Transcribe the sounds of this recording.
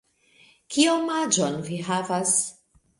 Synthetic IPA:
kʰiomad͡ʒonviɦavas

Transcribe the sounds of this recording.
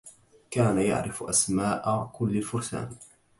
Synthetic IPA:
kaːnaja̰ʕɾɪfʔasmaːʔakʊlːalfʊɾsa̰ːn

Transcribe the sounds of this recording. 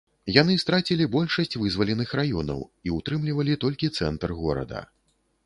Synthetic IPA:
janɨst̪ɾat͡sʲilʲibɔlʲʂɐsʲt͡sʲvɨzvɐlʲɛnɨxrajɔnɐ̰wiut̪ɾɨmlʲivɐlʲit̪ɔlʲkʲit̪sɛnt̪rɣɔ̰ɾɐ̰d̪ɐ̰

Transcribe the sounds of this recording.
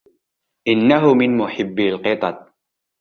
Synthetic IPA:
ʔɪnːaɦʊmɪnmʊħɪbːɪlqɨt̪ˤɑt̪̚ˤ

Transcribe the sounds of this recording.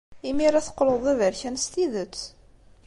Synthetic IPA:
imiɾæθə̥qːloðˤævəɾçænst̪iðət͡sː

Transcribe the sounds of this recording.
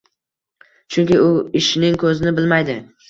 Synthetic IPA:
t͡ʃʰʊŋkʲɪʊɪʃɪnɪŋkʰɵzɪnɪbɪlmajd̪ɪ

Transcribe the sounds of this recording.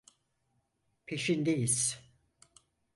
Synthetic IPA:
pʰeʃind̪ejiz̥

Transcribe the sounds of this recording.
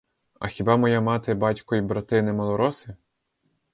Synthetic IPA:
ɐ̰xʲibɑmɔjamɑt̪ɪbɑtʲkɔjibɾɐt̪ɪnɪmɔlˠɔɾɔsɪ

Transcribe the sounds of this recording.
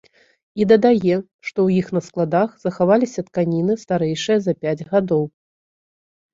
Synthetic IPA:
id̪ɐd̪ajɛ | ʂt̪ɔwjixnɐsklˠad̪axz̥ɐxavalʲisʲɐt̪kanʲinɨst̪aɾɛjʂɨjɐzɐpʲad͡zʲɣad̪ɔw

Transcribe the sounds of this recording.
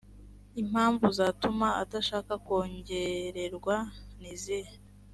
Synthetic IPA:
im̥haːɱvuzaːtumaataʃaːkako̞ːɲɟe̞ɾe̞ɾɡwanizi

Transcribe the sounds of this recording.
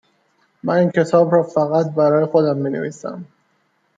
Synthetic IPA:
mæniːncʰe̞t̪ʰɒːbɾɒːfæɣæt̪̚bæɾɒːje̞xod̪æmːinḛviːsæ̰m

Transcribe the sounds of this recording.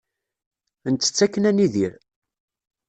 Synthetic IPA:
ənt̪ːə̥t͡sːækːənæniðiɾ

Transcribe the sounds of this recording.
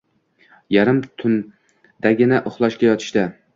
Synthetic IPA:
jaɾɪmt̪ʰʊn | d̪̥aɡʲɪnɪʔʊχlˠɒʃkʲajɒt̪ʰɪ̥ʃt̪a

